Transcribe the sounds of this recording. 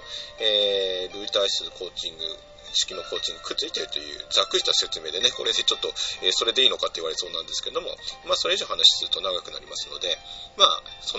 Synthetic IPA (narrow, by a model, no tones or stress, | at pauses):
eːɾɯ̟it̪aisɨkʰo̞ːt͡ɕĩŋɡɯ̟ | ɕi̥kʲino̞kʰo̞ːt͡ɕĩŋɡɯ̟kɯ̟t͡sɨit̪e̞ɾɯ̟t̪o̞jɯ̟̰ːd͡zakːɯ̟i̥t̪ose̞t͡sɨme̞ːd̪e̞ne̞ko̞ɾe̞d̪et͡ɕo̞t̪ːo̞eːso̞ɾe̞d̪e̞iːno̞kat̪ːe̞iβaɾe̞̥so̞ːnãnd̪esɨ̥keed̪o̞mo̞̰maːso̞ɾe̞iʑo̞ːhanaɕi̥sɨɾɯ̟t̪o̞naɡakɯ̟na̰ɾʲimasɨno̞̰d̪e̞maːso